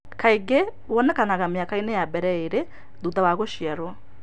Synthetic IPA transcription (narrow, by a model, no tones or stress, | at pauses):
kʰaiɡe | wɔnɛkanaɣameakainɛjabɛɾɛeɾe | ðuðawaɣoʃiaɾwɔ